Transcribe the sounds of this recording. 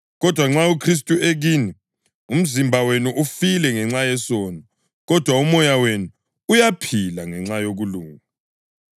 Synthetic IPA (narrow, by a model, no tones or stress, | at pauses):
ɣɔd̥ʱwaŋ͡ǁaukʰris̬tʼueɣiːni | um̩zimbʱawenuʔufilɛŋɛŋ͡ǁajɛsɔːnɔ | ɣɔd̥ʱwaumɔjawenu | ujapʰilaŋɛŋ͡ǁajoɣuluːŋa